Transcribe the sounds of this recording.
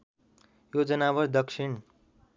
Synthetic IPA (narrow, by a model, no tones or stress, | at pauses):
jod͡zʌnawʌɾd̪ʌkʂʰiɳ